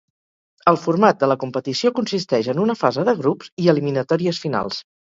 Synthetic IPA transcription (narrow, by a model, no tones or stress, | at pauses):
əlˠfurmat̪̚d̪ələkumpət̪isiokunsist̪ɛʒənunəfazəðəɣɾupziəliminət̪ɔɾiəsfina̰lˠs